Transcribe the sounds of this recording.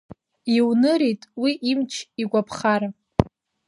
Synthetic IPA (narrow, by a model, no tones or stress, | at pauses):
iwnɨɾijtʼwiʔimt͡ʃʰiɡʷapʰχaɾa